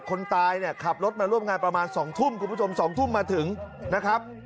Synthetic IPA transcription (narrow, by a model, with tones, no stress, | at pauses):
kʰo˧nt̪aː˧jni˥˩ɐkʰa˨˩p̚ɾo˦˥t̪̚maː˧ɾu˥˩əmŋaː˧npɾa˧maː˧nsɔː˩˦ŋt̪ʰu˥˩mkʰu˧npʰu˥˩o˧msɔː˩˦ŋt̪ʰu˥˩mːaː˧t̪ʰɯ˩˦ŋna˦˥kʰɾa˦˥p̚